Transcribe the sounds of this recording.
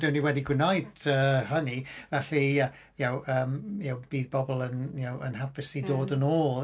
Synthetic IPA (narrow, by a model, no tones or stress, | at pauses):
d̥ɪwniwɛdiɡwɪnajdəːɦənivɛɬiə | jawəːmjawb̥iːðbɔbɔlˠənjawə̰nɦabɪsidoːdənoːlˠ